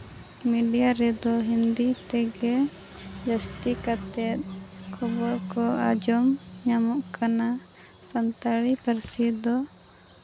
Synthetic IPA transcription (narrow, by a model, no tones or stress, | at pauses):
miɖijaɾɛd̪ɔɦind̪it̪ɛɡɛ | d͡ʒast̪ikat̪ɛt̪̚ | kʰɔbɔɾkɔad͡ʒɔm | ɲamɔʔkana | sant̪aɭipaɾsid̪ɔ